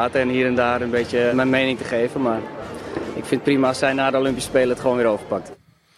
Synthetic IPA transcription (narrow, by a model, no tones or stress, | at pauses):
aːtəɛnhiːəɾɛndaːrənbeːtjəmɛjnmejnɪŋtəχeːvənmar | ɪkfɪnt̚primaɔsɛjnaːdəolympispeːlˠətχʋoːnʋɪːɾoːvəpak̚t